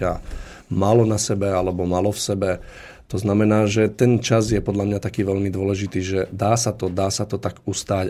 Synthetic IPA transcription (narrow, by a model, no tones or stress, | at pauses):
a | maːlɔnasɛbɛalɛbɔmaːlɔfsɛbɛ | t̪ɔznamɛnaːʒɛt̪ɛnt͡ʃazjɛpɔd̪ʎamɲat̪akiːʋɛʎmid̪ʊɔlɛʒit̪iːʒɛd̪aːsat̪ɔd̪aːsat̪ɔt̪aɡust̪aːc